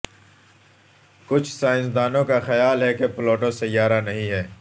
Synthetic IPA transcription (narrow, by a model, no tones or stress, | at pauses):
kʊt͡ʃʰsaːɪ̃nsd̪aːnõkaxɐjaːlɦɛkepɪloːʈõsɐjaːɾanɐɦĩɦɛː